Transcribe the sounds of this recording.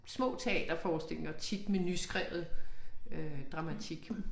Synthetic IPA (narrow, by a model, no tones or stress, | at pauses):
smɔ̰̽ːt͡sʰe̝ɛ̰ːd̥ɐfɒːse̝l̰ɐt͡sʰid̥menysɡ̥ʁɛʊð̩ˠød̥ʁɑ̈mæt͡sʰiɡ̥